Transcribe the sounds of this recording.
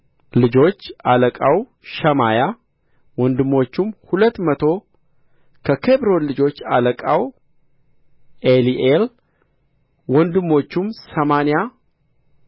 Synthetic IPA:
lɨd͡ʒo̞t͡ʃːaləkʼaw | ʃəmaja | wɔnd̪ɨmːo̞t͡ʃːumhulət̪ːmət̪ʰo̞ | kʰəkʰebɾo̞nlɨd͡ʒo̞t͡ʃːa̰ləkʼaw | ʔeliʔel | wɔnd̪ɨmːo̞t͡ʃːumsəmanja

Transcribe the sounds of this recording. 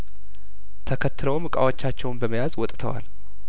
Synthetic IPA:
t̪ʰəkʰət̪ːɨləwmɨkʼa̰wot͡ʃːat͡ʃːɛwnbəməjazwɔt̪ʼt̪ʰəwa̰l

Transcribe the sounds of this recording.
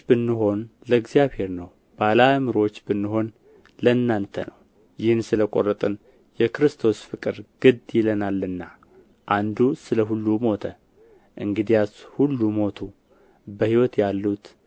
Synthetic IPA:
bɨnːɨɦo̞nləɨɡzjaβhe̞ɾnəw | b̥alamɨɾo̞t͡ʃːbɨnːɨɦo̞n | lənːant̪ʰənəw | jɪhnsɨləkʼo̞̰rət̪ʼɨn | jɛkɨɾɨst̪ʰo̞sfɨkʼɨɾɡ̥ɨd̪jɪlənalːɨnːa | ʔand̪usɨləɦulːumo̞t̪ʰə | ʔɨŋɡɨd̪ijashulːumo̞t̪ʰu | bəhiwɔt̪jalːut̪

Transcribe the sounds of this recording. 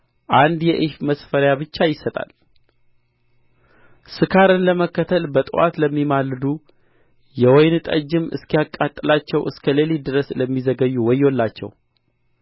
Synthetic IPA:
ʔand̪jɛʔɨʃməsfəɾjabɨt͡ʃːajɪsət̪ʼa̰l | sɨkʰaɾənləməkːət̪ʰəlbət̪ʼɨwa̰t̪ləmːimalːɨd̪u | jɛwɔjnɨt̪ʼəd͡ʒːɪmɨ̰skijakʼːat̪ʼːɨlat͡ʃːɛwʔɨskʰəleled̪ɾəsləmːizəɡəjːuwɔjo̞lːat͡ʃːɛ̰w

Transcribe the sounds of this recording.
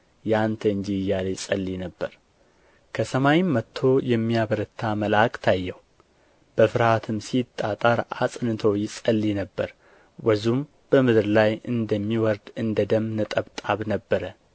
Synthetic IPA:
jant̪ʰəɨnd͡ʒijːaləjsʼəlːinəbːəɾ | kʰəsəmajimːət̪ʰːo̞jɛmːijaβəɾət̪ʰːaməlakt̪ʰajːɛw | b̥əfɨɾhat̪ʰɨmsit̪ʼːat̪ʼaɾʔa̰sʼnɨt̪ʰəwjɪsʼəlːinəbːəɾ | wəzum | b̥əmɨd̪ɾlajɨnd̪əmːiwɔɾd̪ɨnd̪əd̪əmːnət̪ʼəβt̪ʼaβnəbːəɾə

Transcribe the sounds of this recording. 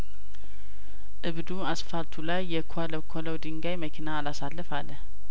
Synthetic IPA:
ʔɨβd̪uasfaɾt̪ʰulajːɛkʰaləwkʰoləwd̪ɨŋɡajməkʰinaːlasalːəfalːəh

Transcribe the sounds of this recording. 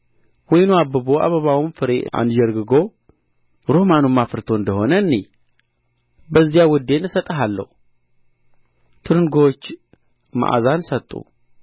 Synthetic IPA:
wɔjnuabːəβoa̰βəβawmfɨɾeʔa̰njɛɾɡɨɡo̞ | ɾohmanumːafɨɾt̪ʰo̞ɨnd̪əho̞nənːe | bəzːijawʊd̪ːe̞nɨsət̪ʼəɦalːə̰hu | t̪ʰɨɾɨŋɡot͡ʃː | ma̰ʔa̰zansət̪ʼṵ

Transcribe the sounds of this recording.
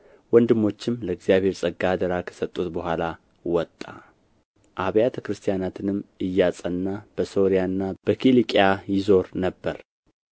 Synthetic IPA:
wɔnd̪ɨmːo̞t͡ʃːɪmləɨɡzijaβhe̞ɾsʼəɡad̪əɾakʰə̥sət̪ʼːut̪bəhʷala | wɔt̪ʼːa̰ | ʔaβjat̪ʰəkɾɨst̪ʰijanat̪ʰɨnɨmːɨjːat͡sʼənːab̥əso̞ɾijanːab̥əkʰilikʼjajɪzo̞ɾnəbːəɾ

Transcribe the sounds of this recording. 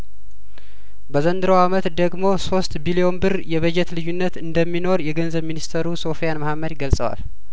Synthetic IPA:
bəzənd̪ɨɾəwamət̪d̪əɡmo̞so̞st̪bilio̞nbɨɾjɛβəd͡ʒɛt̪lɨjːunːət̪ɨnd̪əmːino̞ɾjɛɡənzəβminist̪ʰəɾuso̞fijanmahamːəd̪ɡəlsʼəwa̰l

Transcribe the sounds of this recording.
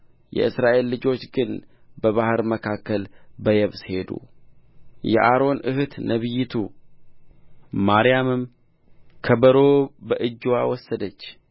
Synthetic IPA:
jɛ̰ɨsɾaʔe̞lːɨd͡ʒo̞t͡ʃːɡɨnbəβahɨɾməkʰakːəlbəjɛβshe̞d̪ṵ | jɛ̰ʔaɾo̞nʔɨhɨt̪nəβɨjːɪt̪ʰu | maɾijamɨm | kʰəbəɾo̞bəʔɨd͡ʒːowawɔsːəd̪ət͡ʃː

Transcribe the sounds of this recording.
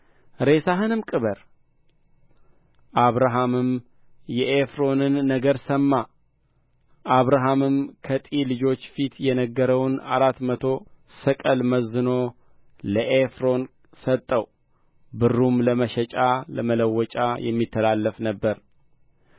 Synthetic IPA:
ɾe̞saɦɨnɨmkʼɨβəɾ | ʔaβɾaɦamɨm | jɛʔefɾo̞nɨnːəɡəɾsəmːa | ʔaβɾaɦamɨmkʰət̪ʼilɨd͡ʒo̞t͡ʃːfit̪ʰjɛnəɡːəɾəwnaɾat̪mət̪ʰo̞sɨkʼəlməzːɨno̞ | ləʔefɾo̞n | sət̪ʼːəw | bɨrːumləməʃɛt͡ʃʼaləmələwːɔt͡ʃʼajɛ̰mːit̪ʰːəlalːəfnəbːəɾ

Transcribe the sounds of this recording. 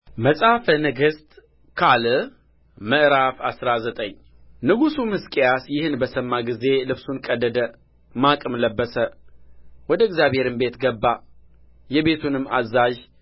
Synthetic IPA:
məsʼafənɨɡɨst̪ʼ | kʰal | məʔɾafasɾazət̪ʼəɲː | nɨɡusumɨskʼijasjɪhɨnbəsəmːaɡize̞lɨβsunkʼəd̪ːəd̪ə | makʼɨmləbːəsə | wɔd̪əɪɡzjaβhe̞ɾɨmbe̞t̪ɡəbːa | jɛbe̞t̪ʰunɨmːazːaʒ

